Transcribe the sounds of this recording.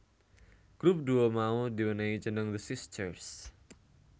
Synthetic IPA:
ɡ̥ɾup̚duomaudiwənait͡ʃənəŋðəsɪstʰərs

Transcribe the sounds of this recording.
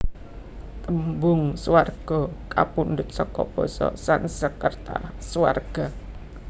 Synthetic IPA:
t̪əmbʊŋswarɡ̥ɔka̰pundʊt̪̚sɔkɔb̥ɔsɔ̰sansəkːərt̪a̰swarɡ̥a

